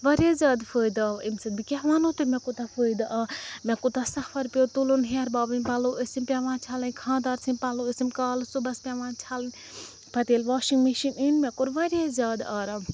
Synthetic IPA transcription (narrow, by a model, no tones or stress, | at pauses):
ʋɐɾʲazʲjaːd̪fəːjd̪aimsɐbikʲɛɦʋaːnot̪umʲɛkut̪afəːjd̪aʔamʲɛkut̪asɐfɐɾpʲot̪ulunɦeɾbaːbɨnʲpɐloʔəsimpʲaʋãːnt͡ʃʰaːlɐnʲkʰãːnd̪aːɾt͡sʰinʲpɐloəsimkaːlsubɐspʲaʋaːnt͡ʃʰaːlɨnʲ | pɐt̪eːlʋaːʃiŋɡmiʃininmʲɛkuɾʋɐɾjazʲjaːd̪aːɾa